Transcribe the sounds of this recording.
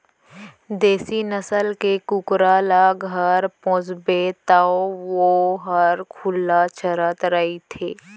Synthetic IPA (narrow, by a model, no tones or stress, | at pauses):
d̪eːsinəsəlkekʊkɾaːlaɡʱəɾpɔ̃ːsbet̪aoʋoɦəɾkʰʊlːat͡ʃʰəɾət̪ɾəɦit̪ʰeː